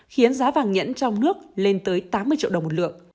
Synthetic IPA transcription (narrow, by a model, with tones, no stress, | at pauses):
xi˨˦ənzaː˨˦vaː˨˩ŋɲə̰˧˥nt͡ɕɔ˧wŋ͡mnɨ˦˥ək̚le˧nt̪əː˨˦jt̪aː˨˦mːɨ˧ət͡ɕḭ˧˨ɗə˨˩ŋ͡mmo˨˩t̚lɨ̰˧˨ək̚